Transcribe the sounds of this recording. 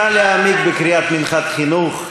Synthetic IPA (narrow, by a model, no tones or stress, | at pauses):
aleamiɡ̚bekɾiat̪minχat̪χinuχ